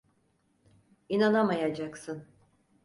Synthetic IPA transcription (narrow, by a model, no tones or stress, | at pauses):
inanamajad͡ʒaksɯn